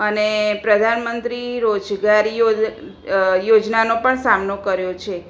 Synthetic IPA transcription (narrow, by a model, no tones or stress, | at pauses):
ənepɾəd̪ʱanmənt̪ɾiɾod͡ʒɡaɾo | jod͡ʒnanopəɳsamnokəɾjot͡ʃʰe